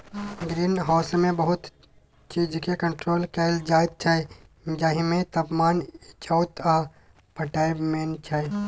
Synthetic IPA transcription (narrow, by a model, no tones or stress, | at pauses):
ɡɾiːnɦaːsmẽbəɦʊt̪ | t͡ʃiːd͡ʒkekə̃ɳʈɾoːlkeːld͡ʒaːɪd̪̚t͡ʃʰae | d͡ʒaːɦĩmẽt̪ɐpmaːnɪt͡ʃawt̪a | pʰəʈaːjmeːnt͡ʃʰae